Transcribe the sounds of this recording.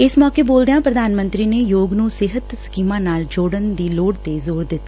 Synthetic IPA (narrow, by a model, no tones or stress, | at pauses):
ɪsmɔːkeːboːld̪ejãːpɾəd̪aːnmə̃nt̪ɾiːneːjoːɡnũːsɪɦət̪sə̥kiːmãːnaːld͡ʒoːɽənd̪iːloːɽt̪eːzoːɾd̪ɪt̪ː